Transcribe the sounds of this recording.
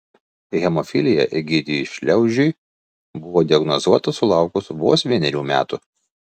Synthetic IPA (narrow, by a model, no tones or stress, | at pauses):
ɣʲɛmɔfʲɪlʲɪjɛ̰ʔɪɡʲɪd̪ʲiʃʲlʲɛʊʒʲʊj | bʊʋoːd̪ʲɪɐɡnɔzuɔt̪ɐsʊlˠɑˑʊkʊsʋo̰ːsʋʲiɛnʲɛɾʲuːmʲæ̰ːt̪u